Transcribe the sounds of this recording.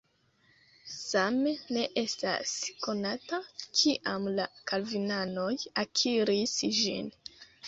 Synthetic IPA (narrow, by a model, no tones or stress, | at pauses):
samene̞ʔe̞sta̰sko̞natakʰiʔamlakalvinano̞jakʰiɾisʒḭn